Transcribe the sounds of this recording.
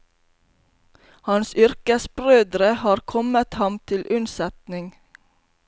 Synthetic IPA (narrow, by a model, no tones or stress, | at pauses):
hɑnsʏɾkəsbɾøːd̪ɾəhɑːɾkʰɔmət̪hɑmt̪ʰɪlʔʉnsɛt̪nɪŋ